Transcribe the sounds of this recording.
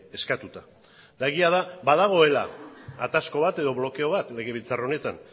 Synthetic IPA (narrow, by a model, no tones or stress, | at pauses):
e̞skat̪ut̪a | d̪̥aɣiað̞abaðaɣ̞o̞e̞la̰at̪asko̞βat̪e̞ðo̞βlo̞ke̞o̞βat̪le̞ɣe̞βilt͡sarone̞t̪an